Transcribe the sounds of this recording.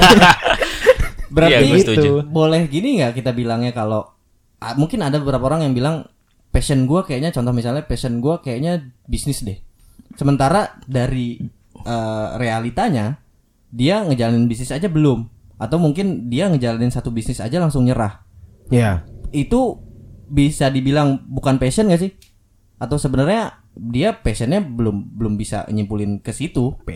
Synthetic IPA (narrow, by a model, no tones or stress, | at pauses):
bəɾarait̪bolɛhɡiniŋɡakit̪abilaŋɲakalo | amuŋkɪnadabəbəɾapaoɾaŋjaŋbilaŋ | pɛsənɡuakajaʔɲat͡ʃɔnt̪ɔhmisalɲapɛsənɡuakajaʔɲabisnɪsdɛh | səmənt̪aɾadaɾi | əːrealit̪aɲa | diaŋəd͡ʒalanɪnbis̬nɪsad͡ʒabəlʊm | at̪awmuŋkɪndiaŋəd͡ʒalanɪnsat̪ubisnɪsa̰d͡ʒalaŋsʊŋɲəɾah | ait̪u | bisadibilaŋbukanpesənɡaʔs̬ɪh | at̪awsəbənərɲa | diapɛsənɲabəlʊmbəlʊmbisa̰ɲimpulɪnkəsit̪u